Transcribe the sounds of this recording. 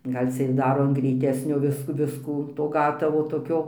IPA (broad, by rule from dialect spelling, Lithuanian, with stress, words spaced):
ˈɡɐlʲ t͡sʲɛ ɪr ˈdɑːroː ɐn ɡrʲɛɪˈtʲæːsʲnʲoː ˈʋʲɪs ˈʋʲɪskuː toː ˈɡɑːtɐʋoː toːˈkʲoː